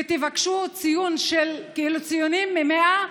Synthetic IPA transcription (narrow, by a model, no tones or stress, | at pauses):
et̪ivakʃut͡sijunʃelkiilut͡sijunimːemea